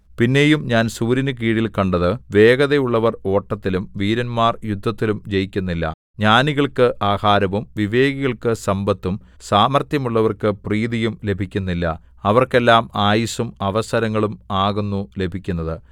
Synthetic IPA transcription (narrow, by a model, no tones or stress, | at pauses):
pinːe̞ːjumɲaːnsuːɾinɨk̬iːɽilkɐɳɖɐðɨʋe̞ːɣɐðejuɭːɐʋɐro̞ːʈːɐt̪ːilumʋiːɾɐnmaːrjud̪ʱːɐt̪ːilumd͡ʑe̞jikʲːunːilːɐ̰ | ɲaːniɣɐɭkɨʔaːhaːɾɐʋumʋiʋe̞ːɣiɣɐɭkɨsɐmbɐt̪ːum | saːmɐrt̪jɐmuɭːɐʋɐrkɨpriːðijumle̞bʱikʲːunːilːɐ̰ | ɐʋɐrke̞lːaːmaːjisumɐʋɐsɐɾɐŋːɐɭumaːɣunːule̞bʱikʲːunːɐðɨ